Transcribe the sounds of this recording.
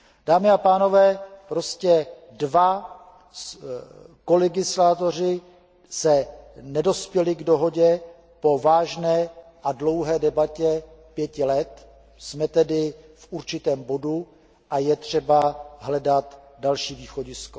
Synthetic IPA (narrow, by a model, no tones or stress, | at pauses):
d̥aːmɪapaːno̞vɛːpɾo̞scɛ | dva | ko̞lɛɡɪslaːt̪o̞r̝ɪ | sɛnɛdo̞spjɛlɪɡdo̞ɦo̞ɟɛ | po̞vaːʒnɛːʔadlo̞wɦɛːdɛbacɛpjɛcɪlɛt̪ | smɛt̪ɛdɪfʔuɾt͡ʃɪt̪ɛːmbo̞du | ʔajɛt̪r̝̥ɛbaɦlɛdat̪ | dalʃiːviːxo̞ɟɪsko